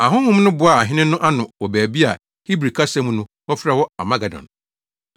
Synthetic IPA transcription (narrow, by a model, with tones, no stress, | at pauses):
a˨ɦʊ̃˦ŋʊ̃˦m˦nʊ̃˦bʊ˨˦a˨ɦɪ̃˦nɪ̃˦nʊ̃˦ʔa˦nʊ̃˨wɔ˨bæː˨bi˦a˨ | hi˦bɾi˨kʰa˦sɛ˦m̃˦nʊ̃˦ | wɔ˦fɪ˦ɾa˦˨wɔ˦a˨mã˦ɡa˨dɔ̰̃˨n